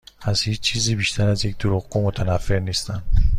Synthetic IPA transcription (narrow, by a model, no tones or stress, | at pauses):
azhiːt͡ʃt͡ʃʰizibiʃt̪ʰaɾazjek̚d̪̥uɾʊɣomot̪ʰanafenist̪an